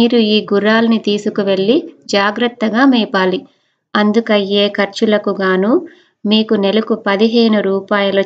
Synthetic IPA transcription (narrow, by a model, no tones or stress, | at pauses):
iːɾuiːɡuɾaːlɐnit̪iːsukuʋe̞ɭːid͡ʒaːɡɾɐt̪ːɐɡaːmɛːpaːli | ɐnd̪ukɐjːe̞ːkʰɐɾt͡ʃulɐkuɡaːnuː | miːkunɛlɐkupɐd̪iɦe̞ːnuɾuːpaːjɐloː